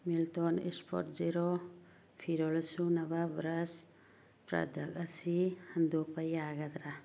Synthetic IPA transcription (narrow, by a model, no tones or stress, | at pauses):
milt̪ɔnḭspʰɔ̰ɾʈd͡ʒiɾɔ | pʰiɾɔlsunɐbabɾas | pɾa̰d̪ʱakasihɐnd̪upajaɡad̪ɾa